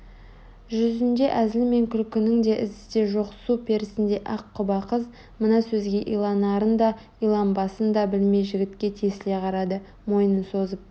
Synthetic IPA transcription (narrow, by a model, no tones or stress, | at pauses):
ʒʏzɪnd̪e̞ʔæzɪlme̞ŋkʲʰʏlkʲɪnɪŋd̪e̞ʔɪzt̪e̞ʒoqsupʰe̞ɾɪsɪnd̪e̞ʔɑqʰːʊbɑqəz | mənɑsɵzɡʲe̞ʔijlˠɑnɑɾənd̪ɑ | ijlˠɑmbɑsənd̪ɑbɪlme̞jʒɪɡʲɪt̪kʲe̞t̪ʰesɪle̞qʰɑɾɑd̪ə | mo̞jnənso̞zəp̚